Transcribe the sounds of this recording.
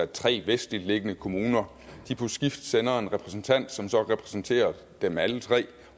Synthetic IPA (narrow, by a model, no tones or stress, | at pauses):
æt͡sʰʁɛ̰ːʋesd̥lile̝ɡ̥ənəkʰo̝muːnɐ | d̥ipʰɒ̽sɡ̥ifd̥senɐe̝nʁɛpʰʁɛsn̩t͡sʰæn̰d̥sɒ̽msɒ̽ʁɛpʰʁɛ̥sn̩t͡sʰe̝̰ːɐ | d̥emælət͡sʰʁɛ̰ː